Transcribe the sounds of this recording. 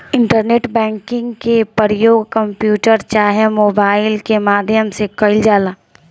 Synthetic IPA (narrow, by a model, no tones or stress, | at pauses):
ɪ̃ɳʈəɾneːʈbɛ̃ːŋkɪ̃ŋɡkepəɾəjoːɡkəmpjuːʈəɾt͡ʃaːɦemoːbaːɪlkemaːd̪ʱjəmsekəɪld͡ʒaːlaː